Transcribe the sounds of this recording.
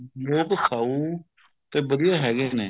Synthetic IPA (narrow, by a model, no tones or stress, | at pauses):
loːkkʰaːuː | t̪eːʋəd̪ijaːɦɛːɡeːneː